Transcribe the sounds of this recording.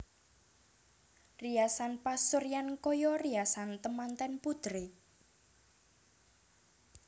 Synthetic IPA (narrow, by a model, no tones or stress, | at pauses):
riasanpasuɾjankɔjɔriasant̪əmant̪ɛnpud̪ɾe